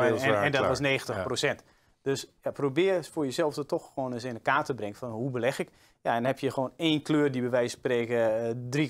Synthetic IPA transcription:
ɛndɔtʋɔsneːɣən̩təxprosɛnt | d̥øsjaprobɪːəfʊːrjəsɛlˠfdɔtɔxxoːnəsɪnəkaːtəbrɪŋəfɔnɦubəlɛxɪk | jaɛndnhɛpjəxʋoːneːnkløːrdibəʋɛjspreːkədri

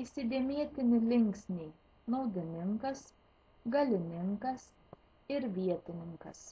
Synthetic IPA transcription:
isʲɪd̪ʲeɛmʲiɛt̪ʲɪnʲɪlʲɪŋʲksʲnʲeː | nɐʊd̪ʲɪnʲɪŋkɐs | ɡɐlʲɪnʲɪŋkɐs | ɪɾʋʲiɛt̪ʲɪnʲɪŋkɐ̰s

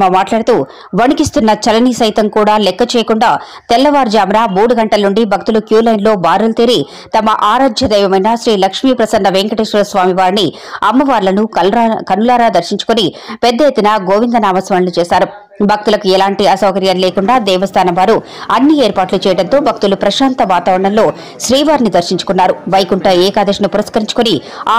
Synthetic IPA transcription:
mɐmaːʈlaːɽɐt̪uː | ʋɐnikist̪unːɐt͡ʃɐlɐnisɐjt̪ɐmkuːɽaːlɛkːɐt͡ʃɛːjɐkuɳɖaː | t̪ɛlːɐʋaːɾd͡ʒaːmɾaːmuːɽuɡɐɳʈɐlɐnuɳɖibʱɐk̚t̪ulukjuːlɐjnlo̞ːbaːɾult̪iːɾi | t̪ɐmɐʔaːɾaːd͡ʒ̪ʱjɐd̪ɛːʋɐmɐjnaːʃɾiːlɐkʂmiːpɾɐsɐnːɐʋeŋkɐʈiʃʋɐɾɐsʋaːmiʋaːɾini | ɐmːɐʋaːɾlɐnukɐnulaːɾaːd̪ɐɾʃiɲt͡ʃu̥koni | pɛd̪ːɐjet̪ːinaɡoːʋind̪ɐnaːmɐsʋɐɳɐlut͡ʃɛːsaːɾu | bʱɐk̚t̪ulɐkuɛlaːɳʈiɐsɐwkɐɾjanleːkuɳɖaːd̪ɛːʋɐst̪ʰaːnɐmʋaːɾu | ɐnːieːɾpaːʈlut͡ʃɛːjɐɽɐnt̪o̞ːbʱɐk̚t̪ulupɾɐʃaːnt̪ɐʋaːt̪aːʋɐɾɐɳɐmlo̞ː | ʃɾiːʋaːɾnid̪ɐɾʃiɲt͡ʃu̥kunːaːɾuʋɐjkuɳʈɐɛːkaːd̪ɐʂɐnɐpuɾɐskɐɾiɲt͡ʃu̥koni | aː

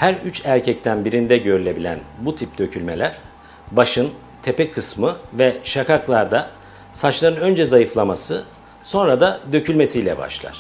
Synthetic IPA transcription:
hæɾyt͡ʃæɾcʰɛc̚t̪ʰænbiɾind̪ɛɟø̞ɾylʲe̞bilʲæ̰nbut̪ʰip̚d̪ø̞cʰylʲmelʲæɾ̥ | baʃɯn | t̪ʰepɛkʰɯsmɯvɛʃakaklˠaɾd̪a | sat͡ʃlˠaɾɯnø̞nd͡ʒɛzajɯflˠamasɯ | so̞nɾad̪ad̪ø̞cʰylʲme̞sijlʲɛ̰ba̰ʃlˠa̰ɾ̥

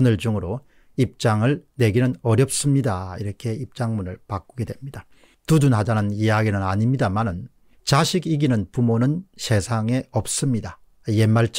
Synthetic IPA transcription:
nɯɭd͡ʑuŋɯɾo | ip̚t͡ɕ͈aŋɯɭne̞ɡinɯnʌɾjʌp̚s͈ɯmɲidaiɾʌkʰe̞ip̚t͡ɕ͈aŋmunɯɭpak͈uɡe̞dwe̞mɲid̥a | tud͡ʑunɦad͡ʑanɯnijaɡinɯnaɲimɲidamanɯn | t͡ɕaɕʰiɡiɡinɯnpumonɯnɕʰe̞sʰaŋe̞ʌp̚s͈ɯmɲida | jemːaɭt͡ɕ

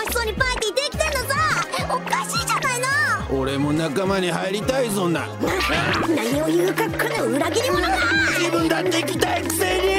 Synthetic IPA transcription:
oçi̥soɲ̟ipait̪iit̪ːekʲi̥t̪enːozaokaɕiːd͡ʑanainooɾe̞mo̞nakamaɲ̟iɦaiɾʲit̪aiso̞na̰janaɲio̞jɯːkakʰɯnoɯ̟ɾaɡʲiɲʲimonaad͡ʑibɯ̟̃nd̪at̪ːeikʲi̥t̪aikɯ̥seɲ̟i

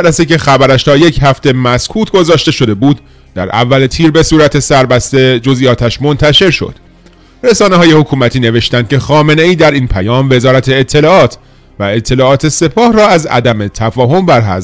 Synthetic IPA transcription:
æɾæsece̞xæbæɾæʃt̪ʰɒːjecʰhæft̪e̞mæskʰuːt̪ʰɡo̞zɒːʃt̪e̞ʃo̞d̪e̞buːd̪ | d̪æ̰ɾʔæ̰vːælet̪ʰiːɾbe̞suːɾæt̪ʰe̞sæɾbæst̪e̞d͡ʒo̞zijɒːt̪ʰæʃmo̞nt̪ʰæʃe̞ɾʃo̰d̪̥ | ɾesɒːneɦɒːje̞hokʰuːmæt̪ʰiːne̞ve̞ʃt̪æn̥kʲʰexɒːme̞ne̞iːd̪æɾiːnpʰæjɒːmve̞zɒːɾæt̪ʰe̞ːt̪ʰːe̞lɒːɒːt̪ʰ | væe̞t̪ʰːe̞lɒːt̪ʰe̞se̞pʰɒːhrɒːæzæ̰d̪æmet̪ʰæfɒːɦo̞mbæɾɦæ̰s

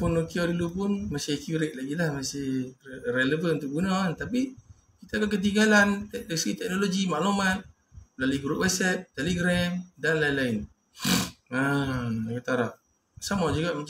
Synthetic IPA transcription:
pʊnokiadulupʊnmasɪkjuɾɛʔ̚laɡilahmasɪhreləvənunt̪ʊk̚bunant̪api | kit̪akakət̪̬iŋɡalant̪ɛdasəɡit̪ɛk̚noloɡimaʔlumat̪̚ | laliɡɾuʔwat̪̚sɛt̪̚t̪eleɡɾamdanlailaɪn | aakat̪aɾaʔ̚ | samad͡ʒuɡaʔmə

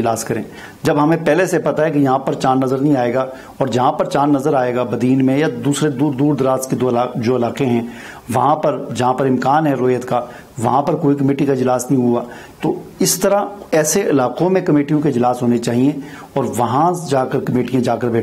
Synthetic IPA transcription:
d͡ʒlaːskɐɾḛ̃ː | d͡ʒɐbɦɐmẽpɛːlesepɐt̪aɦɛkijɐɦãpɐɾt͡ʃaːnːɐzəɾnɐɦĩaːeːɡaː | ɔːɾd͡ʒɐɦãpɐɾt͡ʃãːnːɐzəɾaːeːɡabɐd̪iːnmẽjad̪uːsɾed̪uːɾd̪uːɾd̪ɾaːt̪ked̪oad͡ʒoːɐlaːqeɦɛ̃ː | ʋɐɦãpɐɾd͡ʒɐɦãpɐɾɪ̃mkaːnɦɛɾoːjət̪ka | ʋɐɦãpɐɾkoːikɐmeːʈikaɪd͡ʒlaːsnɐɦĩɦuaː | t̪oɪst̪ɐɾaɛːseʔɪlaːqõmẽkɐmeːʈijõkeɪd͡ʒlaːsɦoːnet͡ʃaːɦiẽ | ɔːɾʋɐɦãd͡ʒaːkəɾkɐmeːʈijãd͡ʒaːkəɾbʱeː

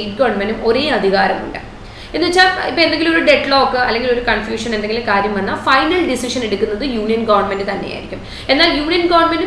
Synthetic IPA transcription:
jʈɡɐʋɐrɳmendumo̞ɾe̞ːɐd̪ʱiɣaːɾɐmṵɳɖɨ | e̞nːuʋet͡ɕːaːipːoend̪e̞ŋɡilumoɾuɖe̞ʈɭoːkːɨɐlːe̞ŋɡilo̞ɾukɐɳfjuːʂɐne̞nd̪eŋɡilkaːɾjɐmʋɐnːɐfɐjnɐlɖisiʂɐne̞ɽukʲːunːɐðɨjuːɳijɐnɡɐʋɐrɳme̞ndɨt̪ɐnːe̞ja̰jiɾikʲːum | e̞nːaːljuːɳijɐnɡɐʋɐrɳmendu

